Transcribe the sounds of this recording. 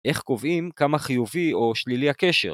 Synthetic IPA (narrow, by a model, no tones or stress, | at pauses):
ʔe̞χko̞vimkamaχijuvio̞ʃliliake̞ʃḛ